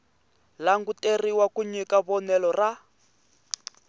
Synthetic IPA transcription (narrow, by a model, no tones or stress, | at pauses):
laŋɡuteriwakuɲikaβɔnɛlɔra